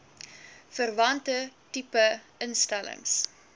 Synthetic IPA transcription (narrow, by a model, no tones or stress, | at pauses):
fərvɐntətipəənstælə̰ŋs